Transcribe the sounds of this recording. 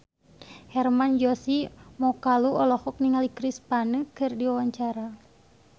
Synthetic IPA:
hɛrmand͡ʒɔsimɔkaluɔlɔhɔk̚niŋalikɾispanəkɨrdiwawaɲt͡ʃaɾa

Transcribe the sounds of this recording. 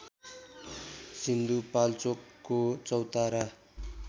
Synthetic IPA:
sind̪upalt͡sokːot͡sʌwt̪aɾa

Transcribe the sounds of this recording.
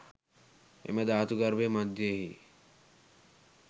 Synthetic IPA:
ḛmed̪aːt̪uɡɐɾbemɐd̪ʱjeɦi

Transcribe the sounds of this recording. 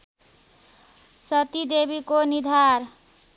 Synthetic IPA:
sʌt̪id̪ebikonid̪ʱaɾ

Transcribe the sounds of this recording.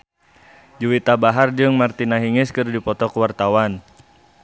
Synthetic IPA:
d͡ʒuwit̪abaɦard͡ʒɨŋmart̪inaɦiŋɪskɨrdipɔt̪ɔkuwart̪awan

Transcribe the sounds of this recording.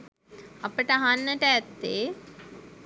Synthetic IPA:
ɐpəʈəɐɦanːəʈəɛt̪ːe

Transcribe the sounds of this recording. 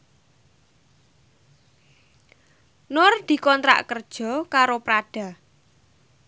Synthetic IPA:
nʊrd̪̥i̤kɔnt̪ɾa̰ʔkərd̥ʒ̥ɔ̤kaɾopɾaɖ̥a̤

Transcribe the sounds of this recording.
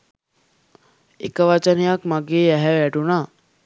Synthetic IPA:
ḛkəʋat͡ʃənejakmaɡeːɛɦɛʋæɖuna

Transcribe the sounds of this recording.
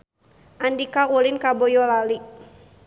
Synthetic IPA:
ʔandikaulinkabɔjɔlali

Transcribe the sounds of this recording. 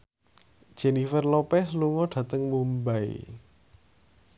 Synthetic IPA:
d̥ʒ̥e̤nifərlopɛsluŋɔɖ̥ä̤t̪əŋmumbaḭ

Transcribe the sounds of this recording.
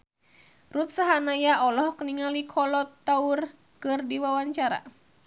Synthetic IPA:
rut̪̚saɦanajaʔɔlɔhkəniŋalikʰɔlɔt̪ːaur | kɨrdiwawaɲt͡ʃaɾa̰

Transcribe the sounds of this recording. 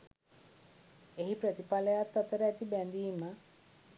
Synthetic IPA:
eɦipɾət̪ipaləjat̪ːat̪əɾəæt̪ibɛnd̪iːmə

